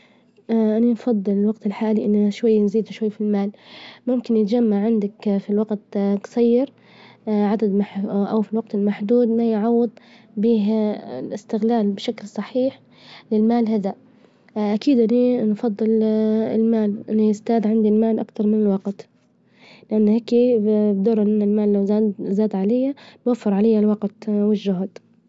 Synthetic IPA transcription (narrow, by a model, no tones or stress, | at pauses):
ʔananfɑðˤːɨlɪlwaɡt̪ɪlħaːliʔɪnːʃwajːnziːd̪ʃwajːfilmaːlmʊmkɪnjɪt̪d͡ʒamːaʕʕɪnd̪akfilwaɡt̪ksajːɪɾ | ʕad̪ad̪maħʔawfilwaɡ̚t̪ɪlmaħd̪uːd̪majʕɑwːɪd̪ˤ | biːɦlɪst̪ɪɣlaːlbʃaklsˤɑħiːħ | lɪlmaːlɦad̪a | ʔakiːd̪ʔɪninfɑd̪ˤːɨlɪ̰lmaːlʔɪnːijɪst̪aːd̪ʕɪnd̪ilmaːlʔakt̪ɑɾˤmɪnɪlwɑɡt̪ | lɪʔanːheːkibd̪ɑːɾˤʔɪnːɪlmaːlːazaːd̪ʕalajːanwafːɪɾʕalajːalwɑɡt̪wɪʒːʊɦd̪